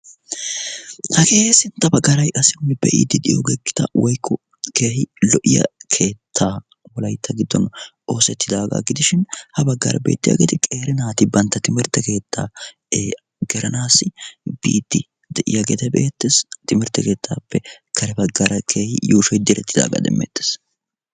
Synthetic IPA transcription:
hɐke̞ːhsɪnt̪ːɐbɐɡːɐɾɐjʔɐsɪnːɪbɛ̰ʔɪ̰d̪ːɪd̪ɪjo̰ɡɛkːɪ̥t̪ɐwɔjkʰːɔ | ke̞ːhɪlɔʔɪjɐ̰kʰe̞ːt̪ʰːaː | wɔlɐjt̪ːɐɡɪd̪ːɔn | o̞ːsɛt̪ːɪd̪aːɡa̰ɡɪd̪ɪʃɪnhɐbɐɡːɐ̰ɾɐ̰bḛːt̪ːɪja̰ːɡet̪ɛkʼeːɾɪnaːt̪ɪbɐnt̪ːɐt̪ɪmɪɾt̪ːɛke̞ːt̪ʰːaː | ɡɛɾɐnaːsɪb̥ḭːd̪ːɪ | d̪ɛʔɪ̰jaːɡeːt̪ɛbe̞ːt̪ːeːst̪ɪmɪɾt̪ːɛke̞ːt̪ʰːaːpːɛkʰɐɾɛbɐɡːɐɾɐkʰe̞ːhɪ̰juːʃɔjd̪ɪɾɛt̪ːɪd̪a̰ːɡɐ̰d̪ɛ̰mːḛt̪ːe̥ːs

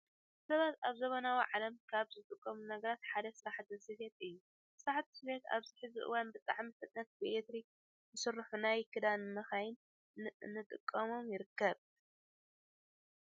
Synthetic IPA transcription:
sɐβat̪aβzɐβɐnawiʕalɐmkʰaβzɨt̪ʼɨkʼːɐmunɐɡɐɾat̪ħad̪ɐsɨɾaħt̪ʰɨsɨfet̪ɨjːu | sɨɾaħt̪ʰːɨ̥sɨfet̪a̰βzɨħɨzuʔɨ̰wanbɨt̪ʼaʕmifɨt̪ʼnɐt̪̚bɨʔet̪ɾik | zɨsɨrːɨħunajkʰɨd̪anmɐxajɪn | nːɨt̪ʼɨkʼːɐmo̞mjɪɾɨkːɐβ

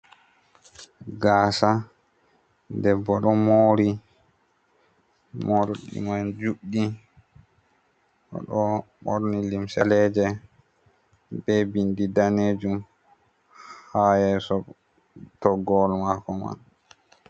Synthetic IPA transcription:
ɡaːsa | dɛbːɔɗɔmoːɾi | moɾɗḭmand͡ʒuɗːi | ʔɔ̰ɗɔɓoɾnilimsalɛd͡ʒɛ | bɛbindidaned͡ʒum | hajɛsɔ | tɔɡɔlmakɔma̰n

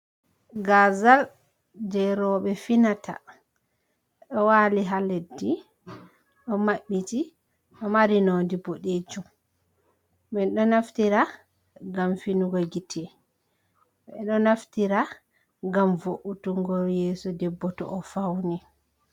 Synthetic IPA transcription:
ɡazal | dɛɾɔɓɛfinata̰ | ɗɔwaːliɦaledːi | ɗɔmaɓːiti | ɗɔmaɾinondiboɗed͡ʒum | ɓɛnɗɔnaftiɾa | ɡamfinuɡɔɡitʰɛ | ɓɛɗɔnaftiɾa | ɡamvoʔutuŋɡɔjɛːsɔdɛbːɔtɔ̰ʔɔfawni

